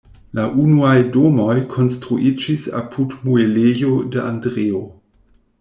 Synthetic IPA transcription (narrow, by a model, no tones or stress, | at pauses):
laʔunuajdo̞mo̞jkʰo̞nstɾuʔid͡ʒisa̰pʰudmuelejo̞dəʔandɾeo